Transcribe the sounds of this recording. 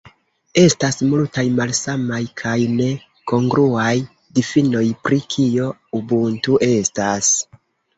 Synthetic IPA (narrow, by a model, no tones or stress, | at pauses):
e̞stasmultajmalsamajkʰajne̞ | ko̞ŋɡɾuaj | difino̞jpɾikʰio̞ubuntuʔe̞stas